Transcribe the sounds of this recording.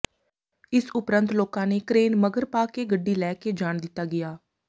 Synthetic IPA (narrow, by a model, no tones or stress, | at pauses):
ɪsʊpɾənt̪loːkãːneːkɾeːnməɡəɾpaːkeːɡəɖːiːlɛːkeːd͡ʒaːɳd̪ɪt̪ːaːɡɪjaː